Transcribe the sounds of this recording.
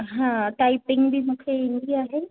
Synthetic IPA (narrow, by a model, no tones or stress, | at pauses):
ɦãːʈaːɪpɪ̃ŋɡbʱimũːkʰeɪnd̪iaːɦe